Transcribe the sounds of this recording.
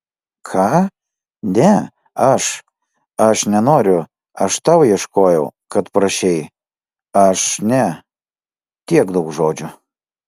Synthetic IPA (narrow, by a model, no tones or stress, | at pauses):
kʰɑː | nʲɛ | ɐʃ | ɐʃnʲɛnoːɾʲʊ | ɐʃt̪ɑʊjɛʃkoːjɛʊkɐt̪pɾɐʃʲɛɪ | ɐʃnʲɛ | t̪ʲiɛkd̪ɐʊkʒoːd͡ʒʲʊ